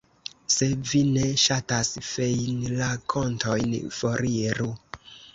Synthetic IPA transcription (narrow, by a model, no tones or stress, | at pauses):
se̞vineʃatasfejnlakʰo̞ntʰojnfoɾiɾu